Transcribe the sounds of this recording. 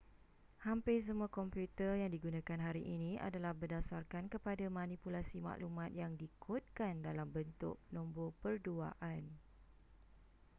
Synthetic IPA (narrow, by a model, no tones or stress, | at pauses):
hampɪs̬əmuakɔmpjut̪ərjaŋdiɡunãkanɦaɾiʔinĩʔa̰dalahbərdasarkankəpadamãnipulasima̰ʔlumãt̪̚jaŋdikʰʊt̪̚kandalambənt̪ʊ̰ʔ̚nɔ̃mbopərdua̰ʔan